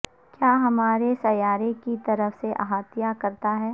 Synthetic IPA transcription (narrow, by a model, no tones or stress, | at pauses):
kjaːɦɐmaːɾesɐjaːɾekit̪ɐɾəfseʔɐ̰ɦaːt̪ɪjakɐɾt̪aɦɛː